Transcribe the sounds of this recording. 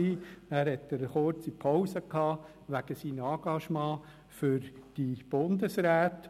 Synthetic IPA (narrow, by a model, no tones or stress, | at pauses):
iːæːɾhɛt̪ːəɾəχʊɾt͡sipʰɔʊsəkhɑː | ʋæɡ̥əsiːnɑːɡ̥ɑʃmɑ̃ː | fʏɾd̥ib̥ʊnd̪əsɾæːt̪